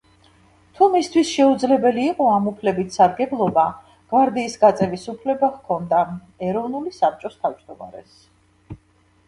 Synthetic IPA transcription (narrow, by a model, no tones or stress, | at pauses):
t̪ʰumist̪ʰwisʃɛud̪zlɛbɛliːqʼɔamupʰlɛbit̪ʰsaɾɡɛblˠɔba | ɡ̥vaɾd̪iːsɡat̪sʼɛvisupʰlɛbaʁkʰɔnd̪a | ɛɾɔvnulisap̚ʰt͡ʃʼɔst̪ʰavd͡ʒd̪ɔma̰ɾɛ̰s